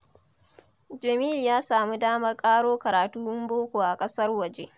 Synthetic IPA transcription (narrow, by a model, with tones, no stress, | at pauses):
d͡ʒɐ˨miː˦ljaː˦saː˨mu˦daː˦mɐ˦rkʼaː˦ɽoː˦kɐ˨ɾaː˨tuː˦ʔɪ˦mboː˦kʷoː˨ʔa˨kʼɐ˦sɐ˦rwɐ˨d͡ʒe˦ʔ